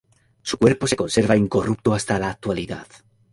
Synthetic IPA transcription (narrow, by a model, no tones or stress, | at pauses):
su̥kwe̞ɾpo̞se̞ko̞nse̞ɾβaiŋko̞rup̚t̪oast̪alaːk̚t̪waliða̰ð